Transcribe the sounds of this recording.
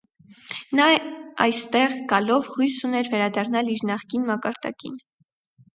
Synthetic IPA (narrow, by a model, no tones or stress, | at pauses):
nɑɑ̰jst̪ɛʁɡɑlɔvhujsunɛɾvɛɾɑd̪ɑrnɑliɾnɑχkinmɑkɑɾd̪ɑ̰kḭn